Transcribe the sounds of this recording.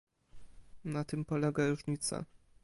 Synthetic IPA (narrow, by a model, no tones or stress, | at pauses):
nat̪ɘmpɔlɛɡaɾuʐɲit̪sa̰